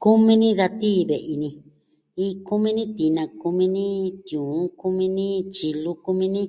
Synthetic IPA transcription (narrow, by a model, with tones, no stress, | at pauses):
ku˦mĩ˦nĩ˦ða˧t̪iː˦βe˨ʔi˧nĩ˧ | i˦˧ku˦mĩ˦nĩ˦t̪i˧nã˧ku˧mĩ˧nĩ˦t̪jũː˨˦ku˦mĩ˧nĩ˦t͡ʃi˧lu˧ku˧mĩ˧nĩ˦